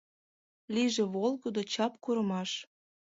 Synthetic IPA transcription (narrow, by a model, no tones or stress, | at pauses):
liʒĕβolɣod̪ot͡ɕɑpkuɾə̆mɑʃ